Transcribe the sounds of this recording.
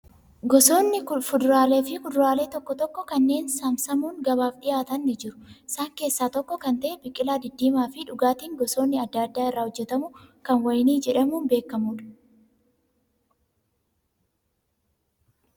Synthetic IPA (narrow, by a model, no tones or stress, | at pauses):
ɡɔso̞ːnːɪfʊd̪ʊɾaːleːfɪfʊd̪ʊɾaːle̞ːt̪ɔkːɔt̪ɔkːɔkɐnːe̞ːnsɐmsɐmuːŋɡɐβaːfᶑɪjaːt̪ɐnːɪd͡ʒɪɾʊ̥ɪsaːŋke̞ːsːaːt̪ɔkːɔkɐnt̪ɐʔɛbɪkʼːɪlaːd̪ɪd̪ːiːmaːfɪᶑʊɡaːt̪iːŋɡɔso̞ːnːɪɐd̪ːɐɐd̪ːaːɪrːaːhɔd͡ʒːɛt̪ɐmʊkɐnwɐjniːd͡ʒɛᶑɐmuːnbe̞ːkːɐmuːᶑɐ̥